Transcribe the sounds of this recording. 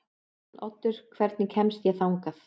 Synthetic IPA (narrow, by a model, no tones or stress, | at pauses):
nɔt̪ːʏɾ̥kʰvɛɾt̪nɪcʰɛmst̪jɛθawŋkaθ